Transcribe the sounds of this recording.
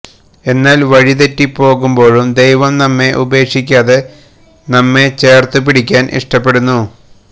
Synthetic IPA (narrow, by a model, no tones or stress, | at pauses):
e̞nːaːlʋɐɻiðetːipo̞ːɣumbo̞ːɻumd̪e̞jʋɐmnɐmːe̞ʔube̞ːkʂikʲːaːðe̞ | nɐmːe̞t͡ɕe̞ːrt̪ɨp̬iɽikʲːaːnʔḭʂʈɐpːe̞ɽunːu